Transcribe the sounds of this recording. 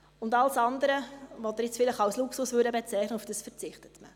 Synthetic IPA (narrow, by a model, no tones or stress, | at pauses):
ʊndɑlsɑndəɾəvɔt̪əɾɪt͡sfɪlɪχɑlsluksʊsvʋʉɾdəbet͡sɛɪχnəufd̥əsfəɾt͡sɪχtə̥tmə̰